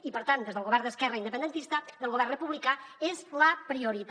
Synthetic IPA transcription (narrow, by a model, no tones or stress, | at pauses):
ipəɾt̪and̪ezðəlˠɣoβɛɾnd̪əskɛrəind̪əpənd̪ənt̪ist̪əðəlˠɣoβɛrrəpuβlikaezləpɾiuɾit̪